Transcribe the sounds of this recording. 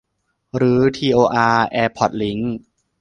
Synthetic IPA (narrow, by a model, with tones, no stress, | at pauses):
ɾɯː˩˦t̪ʰiː˧ʔoː˧ʔaː˧ʔɛː˧pʰɔ˨˩t̪̚li˩˦ŋ